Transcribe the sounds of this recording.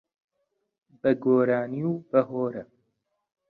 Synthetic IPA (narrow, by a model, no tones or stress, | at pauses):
bɐɡoːɾaːniubɐɦoːɾɐ